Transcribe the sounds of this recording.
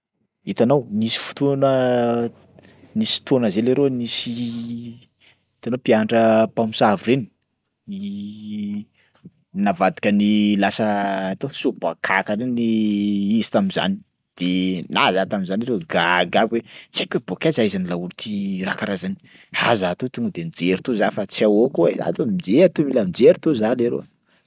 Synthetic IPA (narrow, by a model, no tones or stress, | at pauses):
it̪anownisi̥fu̥t̪unə | nisi̥t̪onəzeleɾonisi | it̪anopiaɳɖ͡ʐəpamusavureni̥ | i | navad̪ikʲənilasəːt̪osuba̰kʰakəɾeniizi̥t̪amiza̰ni̥ | d̪̥enazat̪amizanaɾweɡaɡaɡwet͡sakʲebokʲazaizanilault̪ʰirakaɾazani̥ | hazaːt̪ot̪uŋɡəd̪enid͡zeɾit̪uzafat͡sawokuza̰t̪omid͡zeaɾt̪umilamid͡zeɾt̪uzaleɾo̰